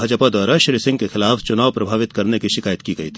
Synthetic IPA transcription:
ɐd͡ʒəpad̪waːɾaʃɾisɪ̃ŋɡkexɪlaːft͡ʃʊnaːʋwpɾɐbʱaːʋɪt̪kɐɾnekiʃɪkaːjət̪kiɡɐit̪ʰi

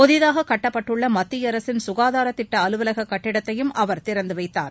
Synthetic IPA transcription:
pɔðɪðaːɣɐkɐʈːɐpːɐʈːɯɭːɐmɐt̪ːijɐɾɐsɪnsʊɣaːðaːɾɐt̪ːɪʈːɐɐlɯʋɐlɐɣɐkːɐʈːɪɽɐt̪ːɐjɯmʔɐʋɐɾt̪ɪɾɐnd̪ɯʋɐɪt̪ːa̰ːɾ

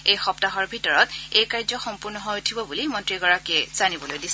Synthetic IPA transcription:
ejxɔptaɦɔɹbʱitɔɹɔtejkaɹzɔxɔmpʊɹnɔɦɔjutʰibɔbulimɔntɹiɡɔɹakɛz̥anibɔlojdis

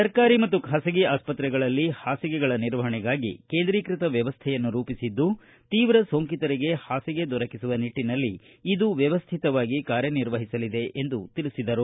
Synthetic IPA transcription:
sɐɾkaːɾimɐt̪ːukʰaːsɐɡiaːspɐt̪ɾɛɡɐɭɐlːihaːsiɡɛɡɐɭɐniɾʋɐɦɐɳɛɡaːɡḭkeːnd̪ɾiːkɾit̪ɐʋjɐʋɐst̪ʰɛjɐnːuɾuːpisid̪ːu | t̪iːʋɾɐsoːŋkit̪ɐɾiɡe̞haːsiɡe̞d̪ɔɾɐkisuʋɐniʈːinɐlːiː | d̪uʋjɐʋɐst̪ʰit̪ɐʋaːɡikaːɾjɐniɾʋɐɦisɐlid̪e̞ʔend̪ut̪iɭisid̪ɐɾu

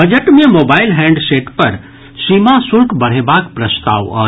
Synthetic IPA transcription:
bɐd͡ʒəʈmẽmoːbaːɪlɦɛ̃ːɳɖseːʈpɐɾ | simasʊɾkbɐɽ̤ebaːkpɾɐst̪a̰ːʋa̰ː

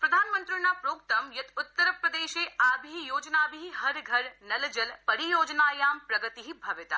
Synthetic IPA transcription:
pɾɐd̪ʱaːnmə̃nt̪ɾinapɾoːk̚t̪ɐmjɐt̪ʊt̪ːəɾpɾɐd̪eːʃeːaːbʱijoːd͡ʒnaːbʱiiɦɐɾɡʱɐɾnɐld͡ʒɐlpɐɾijoːd͡ʒnaːjaːmpɾɐɡət̪iɦibʱɐʋɪt̪a̰

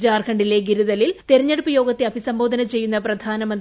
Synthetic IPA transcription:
d͡ʑaːrkʰɐɳɖile̞ɡiɾuðɐlilt̪e̞ɾɐɲːeɽupːɐjo̞ːɡɐt̪ːeɐbʱisɐmbo̞ːd̪ʱɐnɐt͡ɕe̞jːun̪ːɐprɐd̪ʱaːnɐmɐnd̪

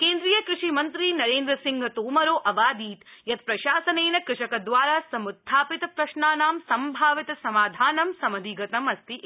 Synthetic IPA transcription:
keːnd̪ɾijɐkɾuʂimɐnt̪ɾinɐɾeːnd̪ɾɐsiŋɡʱɐt̪oːmɐɾoːʔɐʋaːd̪iːt̪jɐt̪̚pɾɐʃaːsɐneːnɐkɾɪʂɐkɐd̪ʋaːɾaːsɐmut̪ʰːaːpit̪ɐpɾɐʃɳaːnaːmsɐmbʱaːʋit̪ɐsɐmaːd̪ʱaːnɐmsɐmɐd̪ʱiɡɐt̪ɐmɐst̪i

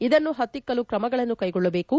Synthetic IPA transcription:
id̪ɐnːuɦɐt̪ːikːɐlukɾɐmɐɡɐɭɐnːukɐjɡɔɭːɐbe̞ːku

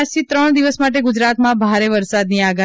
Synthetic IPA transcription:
ʃt̪ʰit̪ɾəɳ̃d̪iʋəsmaʈ̬eɡʊd͡ʒɾat̪mãbʱaɾeʋəɾsad̪niaɡa

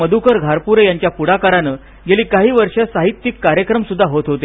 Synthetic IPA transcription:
əd̪ʱukəɾɡʱaɾpuɾjaɲt͡ɕjapuɽakaɾanəː | ɡeliːkaɦiːʋəɾʂəsaɦit̪ːjikːaɾjəkɾəmsud̪ʱːaɦot̪ɦot̪e

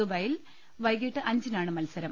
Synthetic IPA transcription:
ubɐjil | ʋɐjɡiʈːɨʔɐɲd͡ʑinaːɳɨmɐlsɐɾɐm

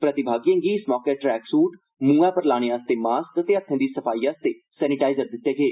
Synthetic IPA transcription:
pɾət̪ɪbʱaːɡijãːɡiːɪsmɔːkeːʈɾɛːksuːʈ | mũːɛːpəɾlaːɽ̃eːaːst̪eːmaːst̪ət̪eːət̪ʰːẽːd̪iːsəpʰaːiːaːst̪eː | sɛːnɪʈaːɪzəɾd̪ɪt̪ːeːɡeː

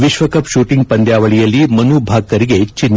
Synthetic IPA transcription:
ʋiʃʋɐkɐpʃuːʈĩŋɡpɐnd̪jaːʋɐɭijɐlːiːmɐnuːbʱaːɡ̚kɐɾiɡet͡ʃinː

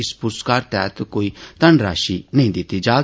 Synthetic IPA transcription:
ɪspʊɾskaːɾt̪ɛ̰ːt̪koːit̪ɐnɾa̰ːʃinɐ̃ɦĩd̪ɪt̪ːid͡ʒaː

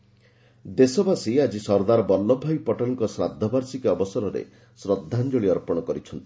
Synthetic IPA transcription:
d̪esɔbasiad͡ʒisɔɾd̪aɾɔbɔlːɔbʱajpɔʈanŋkɔsɾa̰d̪ʱːɔbaɾsikeɔbɔsɔɾɔɾḛ | sɾɔd̪ʱːand͡ʒoɭiɔɾpɔɽ̃ɔkɔɾit͡ʃʰɔnt̪i̥

